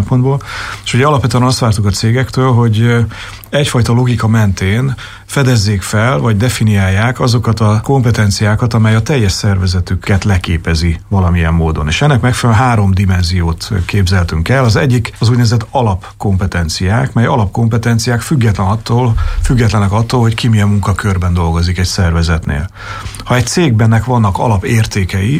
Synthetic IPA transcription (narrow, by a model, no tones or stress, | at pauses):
mpo̞nd̪boːle̥ːʃuɟɛɒlɒpvɛt̪yɛnɒst̪ʋaːrt̪ukɒt̪seːɡɛkt̪øːlɦo̞ɟ | ɛcfɒjt̪ɒlo̞ɡikɒmɛnt̪eːn | fɛd̪ɛzːeːkfɛlvɒɟd̪ɛfinijaːjːaːkɒzo̞kɒt̪ɒko̞mpɛt̪ɛnt̪sijaːkɒt̪ɒmɛjɒt̪ɛjːɛʃsɛrvɛzɛt̪ykːɛt̪lɛkeːpɛzivɒlɒmijɛmːoːd̪o̞nḛːʃɛnːɛkmɛkfɛlnɦaːɾo̞md̪imɛnzijoːt̪keːbzɛlt̪yŋkɛlːɒzɛɟːikɒzuːɟnɛvɛzɛt̪ɒlɒpko̞mpɛt̪ɛnt̪sijaːkmɛjɒlɒp̚ko̞mpɛt̪ɛnt̪sijaːkfyɡːɛt̪lɛnɒt̪ːoːlfyɡːɛt̪lɛnɛkɒt̪ːoːlho̞ckimijɛmːuŋkɒkørbɛnd̪o̞lɡo̞zikɛcsɛrvɛzɛt̪nḛːl | hɒɛc̚t̪seːɡ̚bɛnːɛkʋɒnːɒkɒ̰lɒpeːrt̪eːkɛji